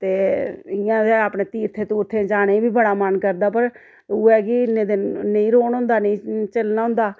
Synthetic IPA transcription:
t̪eːɪjãːd̪eaːpɳeːt̪iːɾt̪ʰeːt̪uːɾt̪ʰːẽːd͡ʒaːɽeiːbʱiːbəɽaːmənkəɾd̪aːpəɾ | uːɛːkɪɪnːẽːd̪ɪnnəĩːɾoːnɦõːnd̪aːnə̃ĩːt͡ʃəlnaːɦʊ̃nd̪aː

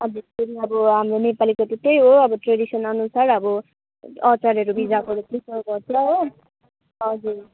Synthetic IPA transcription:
ʌbʱesteɾiʌbʌɦamronepalikot̪ut̪ejɦoʌbʌʈreɽisʌnʌnusarʌbʌ | ʌt͡saɾʌɾubid͡zakoɾet̪isʰʌbʱʌt͡sʰʌo | ʌd͡zur

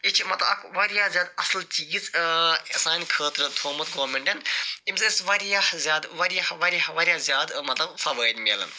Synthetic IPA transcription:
it͡ʃʰimɐt̪lɐɐ̰kʋɐɾijaːzʲaːd̪ɐslt͡ʃiːzesaːnʲkʰəːt̪ɾɐt̪ʰoːmɐt̪ɡoːmʲeɳʈɐnimʲzɨisʋɐɾjɐhzʲjaːd̪ʋɐɾijɐhʋɐɾʲijahʋɐɾʲjazʲjaːd̪mɐt̪lɐbfɐʋəːdnʲmilɐ̰n

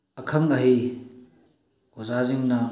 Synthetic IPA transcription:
ɐkʰɐŋɐɦi | ozaziŋnɐ

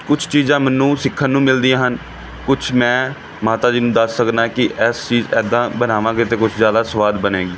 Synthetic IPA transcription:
kʊt͡ʃʰt͡ʃiːzãːmənːũːsɪkʰːənːũːmɪld̪iãːɦən | kʊt͡ʃʰmɛ̃ː | maːt̪aːd͡ʒiːnũːd̪əsːəknaːkɪʔɛːst͡ʃiːzɛ̰ːd̪ãːbənaːʋãːkɪt̪eːkʊt͡ʃʰzjaːd̪aːsəʋaːd̪bənẽːɡiː

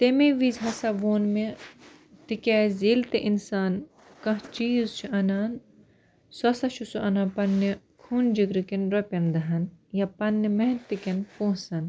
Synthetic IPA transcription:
t̪emeʋiːzɦɐsɐʋoːnme | t̪ikʲɛːziːlt̪eʔinsaːn | kɐ̃ɦt͡ʃiːzt͡ʃʰuʔɐnaːn | sɐsɐʃʰusuʔɐnapɐnːi | kʰuːnd͡ʒiɡɾikinɾopʲɐnd̪ɐɦɐnjɐpɐnːimɐɦnt̪ikɐnpõːsɐn

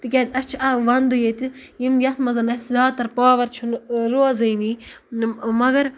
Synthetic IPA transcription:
t̪ɨkʲɛːzɐt͡ʃʰuɐʋɐnd̪ujet̪ɨjimjɐt̪ʰmɐzɐnɐszaːt̪ɐɾpaːʋɐɾt͡ʃʰunɾoɐzɐjniː | mɐɡɐɾ

